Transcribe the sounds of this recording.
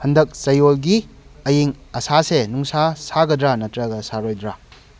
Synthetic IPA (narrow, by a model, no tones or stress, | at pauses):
hɐndɐk̚sɐjolɡi | ɐjiŋɐsasenuŋsasaɡɐdɾanɐtɾɐɡɐsaɾojdɾa